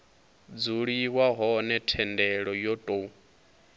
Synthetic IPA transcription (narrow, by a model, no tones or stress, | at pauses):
d͡zuɺiwaɦɔnɛtʰɛndɛɺɔjɔtʼo